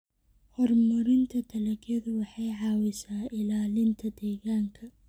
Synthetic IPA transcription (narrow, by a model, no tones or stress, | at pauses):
hɔrmʊɾɪnt̪ʰɐt̪ʰɐlɐkʰɐðʊwɑħɑjʕɑːwɪsaːɪlaːlɪnt̪ʰɐd̪ɛːɣaːŋkʰɐ